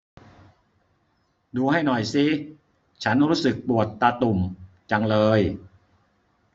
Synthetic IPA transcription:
duː˧ha˥˩jnɔ˨˩jsi˧˥ | t͡ɕʰa˦˥nɾuː˦˥sɯ˨˩k̚pu˨˩ət̪̚ːa˧t̪u˨˩m | t͡ɕa˧ŋlɤː˧j

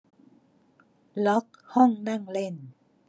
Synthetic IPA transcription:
lɔ˦˥k̚hɔ˥˩ŋna˥˩˨ŋle˥˩n

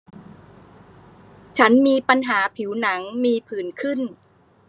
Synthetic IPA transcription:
t͡ɕʰa˦˥nmiː˧pa˧nɦaː˩˦pʰi˩˦wna˩˦ŋmiː˧pʰɯː˩˦nkʰɯ˥˩n

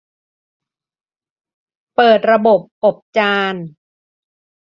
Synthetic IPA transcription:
pɤː˨˩t̪̚ɾa˧bo˨˩p̚ʔo˨˩p̚t͡ɕaː˧n

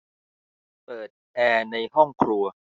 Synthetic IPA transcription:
pɤː˨˩t̪̚ʔɛː˧na˧jhɔ˥˩ŋkʰɾu˧ɐ

